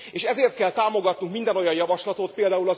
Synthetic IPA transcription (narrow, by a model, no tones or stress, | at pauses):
eːʃɛzeːrt̪̚kɛlt̪aːmo̞ɡɒt̪nuŋkmind̪ɛnojɒjɒvɒʃlɒt̪ot̪peːld̪aːulɒz